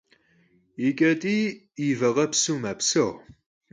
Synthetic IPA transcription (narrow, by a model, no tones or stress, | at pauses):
ikʼɐtʼiː | ivɐʁɐpsuːmɐpsɨʁ